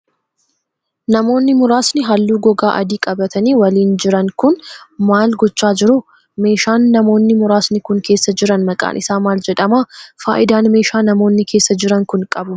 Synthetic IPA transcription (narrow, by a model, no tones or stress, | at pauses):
nɐmo̞ːnːɪmʊɾaːsnɪɦɐlːuːɡɔɡaːʔɐ̰d̪iːkʼɐbɐt̪ʰɐniːwɐliːnd͡ʒɪɾɐŋkʊnmaːlɡɔt͡ʃːaːd͡ʒɪɾʊ | me̞ːʃaːnːɐmo̞ːnːɪmʊɾaːsnɪkʊŋke̞ːsːɐd͡ʒɪɾɐnmɐkʼa̰ːnʔɪsaːmaːld͡ʒɛᶑɐmaːfa̰ːʔɪd̪aːnme̞ːʃaːnɐmo̞ːnːɪkʰe̞ːsːɐd͡ʒɪɾɐŋkʊnkʼɐbʊ